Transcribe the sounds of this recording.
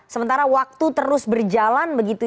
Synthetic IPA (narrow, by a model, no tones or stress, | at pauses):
səmənt̪aɾawak̚t̪ut̪əɾʊsbərd͡ʒalanbəɡit̪u